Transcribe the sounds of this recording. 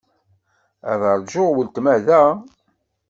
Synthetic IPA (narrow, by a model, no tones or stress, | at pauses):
æ̰ðəɾˤd͡ʒʊʁwəlt̪mæðæ